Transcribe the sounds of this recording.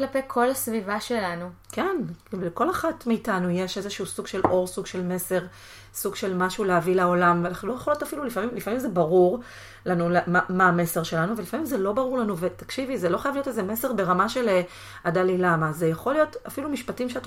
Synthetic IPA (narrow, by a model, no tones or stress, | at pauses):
klapejkʰo̞lasvivaʃe̞lanukenekolaχatmeitanujeʃe̞zeʃuusuɡ̥ʃelo̞ʁsuɡʃe̞lme̞se̞ʁ | suɡʃe̞lmaʃuleavilao̞lamvealaχulojeolijotafilulifamimlifamimzebaʁuʁ | lanulemamaːme̞se̞ʁʃe̞lanuve̞lifamimzelo̞baʁuʁlanuvetakʃivizeloχajavlijo̞tezeme̞seʁbe̞ʁamaʃe̞le | adalilamazejaχo̞lijo̞tafilumiʃpatimʃeat